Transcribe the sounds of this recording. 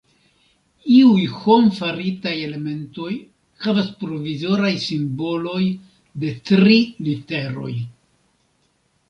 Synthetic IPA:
iujxo̞mfaɾitaje̞le̞me̞nto̞j | havaspɾo̞vizo̞ɾajsimbo̞lo̞j | de̞tɾilite̞ɾo̞̰j

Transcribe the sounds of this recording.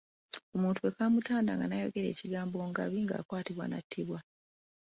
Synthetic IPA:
o̞muːntuwe̞kaːmutʰaːnda̰ŋɡanajo̞̰ɡe̞ɾe̞̰ːciɡaːmbo̞ːŋɡaβiŋɡa̰ːkwaːtiβwa̰natʰːiβwa

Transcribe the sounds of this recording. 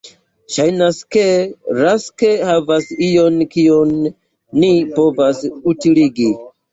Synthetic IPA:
ʃajnaske̞ɾaske̞havasijo̞nkionː | ipo̞vasutiliɡi

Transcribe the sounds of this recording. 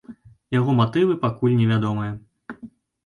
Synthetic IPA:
jaɣɔmat̪ɨvɨpakulʲnʲɛvʲad̪ɔmɨjɐ

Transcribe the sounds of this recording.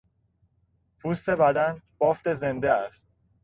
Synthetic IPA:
pʰust̪e̞bæd̪ænb̥ɒːft̪e̞ze̞nd̪eæst̪̚

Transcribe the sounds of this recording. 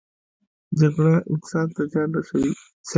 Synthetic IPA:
d͡ʒaɡɽaʔɪ̰q̚t̪sɑd̪̚t̪azɑnɾaʃawi | s

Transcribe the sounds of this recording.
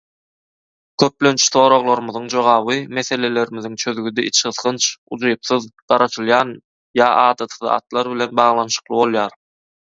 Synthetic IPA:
kʰʲøp̚lønt͡ʃʰθo̞ːɾo̞ʁlˠoɾɯmɯðɯŋd͡ʒo̞ʁɑːβɯme̞θe̞le̞le̞ɾimiðiŋt͡ʃʰøðɡyd̪eʔit͡ʃχɯθqɯnt͡ʃṵd͡ʒujpθɯðɢ̥ɑɾɑʃɯlˠjɑːn | jɑːʔɑːd̪ɑt̪ʰɯðɑ̰ːt̪lˠɑɾβile̞nbɑːʁlˠɑnʃɯ̥qlˠɯbo̞lˠjɑːɾ

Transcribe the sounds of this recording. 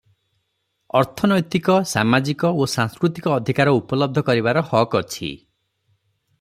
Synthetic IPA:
ɔɾt̪ʰɔnɔjt̪ikɔsa̰mad͡ʒikɔosãŋskɾut̪ikɔːd̪ʱikaɾɔupɔlɔb̚d̪ʱɔkɔɾiβaɾɔhɔkɔt͡ʃʰḭ

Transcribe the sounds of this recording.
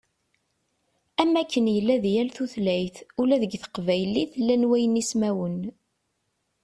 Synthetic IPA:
æmækːənjəlːæðjælθuθlæjθulæðəɡθə̥qvæjəlːiθlːænwæjənismæwən

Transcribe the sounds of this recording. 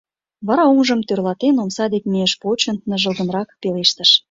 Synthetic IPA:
βɑɾɑoŋʒə̆mt̪ørlɑt̪enomsɑd̪ekmieʃpot͡ɕə̆nnə̆ʒə̆lɣə̆nrɑkpeleʃt̪əʃ

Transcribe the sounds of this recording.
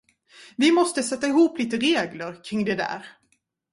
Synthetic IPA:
vɪmɔst̪əsɛt̪ːaɪɦuːpliːt̪əɾeːɡləɾkʰɾɪŋːd̪ɛd̪æ̰ːɾ

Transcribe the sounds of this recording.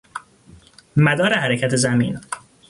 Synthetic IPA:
mæd̪ɒːɾehæɾecʰæt̪ʰe̞zæmḭːn

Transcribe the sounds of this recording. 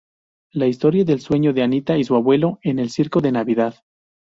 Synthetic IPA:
laist̪o̞ɾjaðe̞lswe̞ɲoðeanit̪aisuaβwe̞loe̞ne̞lsiɾkoðe̞naβiðað

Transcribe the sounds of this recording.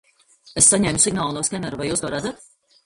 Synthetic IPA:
esːaɲɛːmusiɡnaːlˠnɔːskɛmʲɛɾuvajuːsɡaɾad̪zat̪

